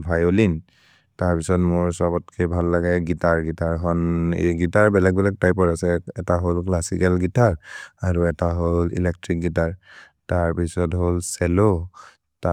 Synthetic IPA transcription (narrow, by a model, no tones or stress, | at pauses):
bʱajolin | taɹpisɔtmʊɹsabɔtkʰebʱalːaɡɛɡitaɹɡitaɹkʰɔnɡitaɹbɛlɛk̚bɛlɛk̚tajpɔɹasɛɛtaɦolklasikɛlɡitaɹaɹuɛtaɦolḭlɛk̚tɹik̚ɡitaɹ | taɹpisɔtɦolsɛlo | ta